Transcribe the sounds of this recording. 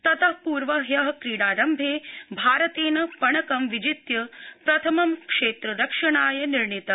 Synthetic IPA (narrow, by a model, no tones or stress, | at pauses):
t̪ɐt̪ɐɦpuːɾʋɐɦjɐɦɐ̆kɾiːɽaːɾɐmbʱeːbʱaːɾɐt̪eːnɐpɐɳɐkɐmʋid͡ʒit̪jɐpɾɐt̪ʰɐmɐmkʂeːt̪ɾɐɾɐkʂɐɳaːjɐniɾɳit̪ɐ